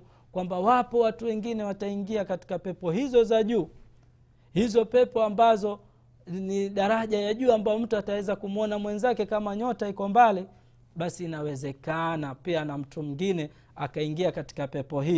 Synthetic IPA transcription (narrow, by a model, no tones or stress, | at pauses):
kwambawapɔwatuwɛŋɡinɛwataiŋɡiakati̥kapɛpɔhizɔzaʄuː | hizɔpɛpɔambazɔ | niɗaɾaʄajaʄuːambajɔm̩tuatawɛzakumuɔnamwɛnzakɛkamaɲɔtaikɔmbali | ɓasiːnawɛzɛkanapianam̩tumuŋɡinɛ | akaiŋɡiakati̥kapɛpɔhi